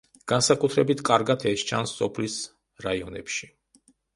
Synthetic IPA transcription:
ɡ̥ansakʼut̪ʰɾɛbit̪ʰkʼaɾɡat̪ʰɛst͡ʃʰansːɔpʰlis | ɾaiɔnɛ̰pʃi̥

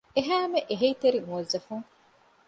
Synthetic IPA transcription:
eɦæːmeʔeɦeit̪eɾiŋuɐzːɐfuŋ

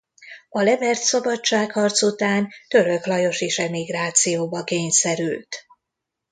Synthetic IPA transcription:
ɒlɛbɛrt̪sɒbɒt͡ʃt͡ʃːaːkhɒrt̪sut̪aːnt̪ø̞ɾø̞klɒjo̞ʃeːʃɛmiɡraːt̪sijoːbɒkeːɲsɛɾylt̪

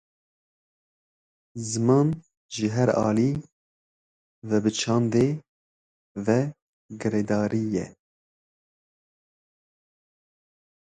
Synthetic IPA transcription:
zɨmɑːn | ʒɨɦɛɾɑ̰ːliː | vɛbɨt͡ʃʰɑːnd̪eː | vɛ | ɡɨɾeːd̪ɑːɾiːjɛ̰

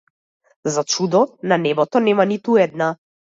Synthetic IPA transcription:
zat͡ʃud̪ɔnanɛbɔt̪ɔnɛmanit̪uɛd̪na

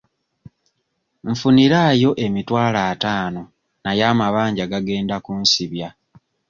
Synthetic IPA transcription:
ɱ̩funiɾajo̞ʔe̞mitwaːlaːtaːno̞ | najaːmaβaːɲɟaɡaɡe̞ːndakuːnsiβja

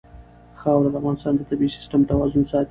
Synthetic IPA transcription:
xɑwɾad̪əafɣɑnɪst̪ɑnd̪ət̪abisɪ̥sʈəmt̪awɑzʊnsɑt̪

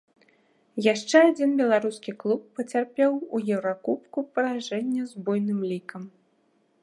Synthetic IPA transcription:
jaʂt͡ʂɛad͡zʲinbʲɛlˠaɾuskʲiklˠupːɐt͡sʲarpʲɛwujɛwɾakupkupɐɾaʐɛnʲːɛzbɔjnɨmlʲikɐm

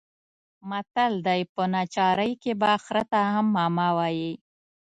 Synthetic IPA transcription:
mat̪ald̪ajpənat͡ʃɑɾəjkebaxɾat̪ahamːɑmɑwɑji

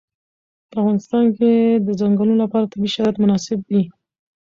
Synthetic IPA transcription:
pəafɣɑnɪst̪ɑnked̪əzaŋɡəluolapɑɾat̪abiʃaɾɑjat̪mʊnɑsɪb̚d̪i

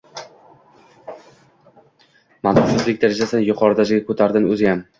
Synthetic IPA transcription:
mant̪ɒʃɪzlɪkʲd̪aɾad͡ʒasɪnjʊqʰɒɾɪd̪ad͡ʒɪɡʲakʰɵt̪ʰaɾd̪ɪnɵzɪjam

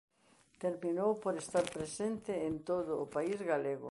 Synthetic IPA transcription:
t̪eɾminowpoɾest̪aɾpɾesent̪ɪent̪oðʊːpaizɣaleɣʊ̰

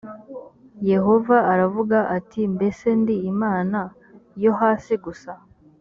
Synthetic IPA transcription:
je̞ɦo̞vaːɾavuɡaʔatʰimbe̞se̞ndiːmaːna | jo̞ɦaːsiɡusa

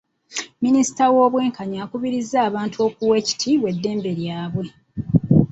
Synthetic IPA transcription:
minisi̥tawo̞ːβwe̞ːŋkaɲaːkuβiɾizːaːβaːntuo̞ːkuwe̞ːci̥tʰiβwe̞dːe̞ːmbe̞ɾjaːβwe̞

